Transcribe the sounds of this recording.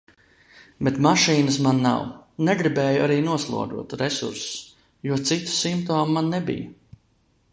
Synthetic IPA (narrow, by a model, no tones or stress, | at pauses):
bet̪maʃiːnəs̬manːa̰wnɛɡɾibɛːjuʔaɾiːnuɔslˠṵɔd̪ṵɔt̪ɾesṵɾss | juɔt̪sit̪u̥simpt̪ɔːmumanːɛbḭjɐ